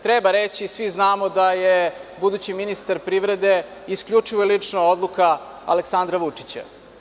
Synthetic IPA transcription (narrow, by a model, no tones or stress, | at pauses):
t̪ɾebaɾet͡ɕisʋiznaːmod̪ajebud̪ut͡ɕiminist̪aɾpɾiʋɾe̞d̪e̞iskʎut͡ʂiʋojelit͡ʂnood̪lˠuka | a̰leksand̪ɾaʋut͡ʂi̥t͡ɕa̰